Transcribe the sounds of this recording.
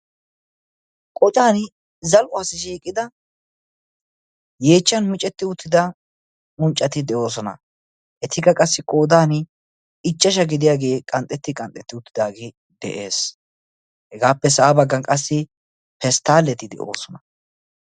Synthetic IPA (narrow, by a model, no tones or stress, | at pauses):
kʼɔt͡ʃʼaːnɪ | zɐlʔʊasɪʃiːkʼɪd̪ɐ | je̞ːt͡ʃːɐnmɪt͡ʃʼɛt̪ːɪʊt̪ʰːɪd̪ɐ | mʊnt͡ʃʼːɐt̪ɪd̪ɛʔo̞ːs̬ɔnɐ̰ | ʔɛt̪ʰɪɡɐkʼɐsːɪkʼo̞ːd̪aːn | ɪt͡ʃːɐʃ̬ɐɡɪd̪ɪjaːɡe̞ːkʼɐnt̪ʼɛt̪ːɪkʼɐnt̪ʼːɛt̪ːɪʊt̪ːɪd̪aːɡe | d̪ɛ̰ʔeːs | hɛɡaːpːɛsaːbɐɡːɐnkʼɐsːɪ | pɛst̪ːaːlːɛt̪ɪd̪ɛ̰ʔo̞̰ːsɔnɐ